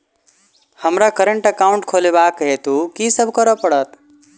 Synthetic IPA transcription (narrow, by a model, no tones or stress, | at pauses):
həmɾakəɾəɳʈəkaʊ̃ɳʈ̚kʰolebaːkːəɦet̪ukisəbʱkəɾəpəɽət̪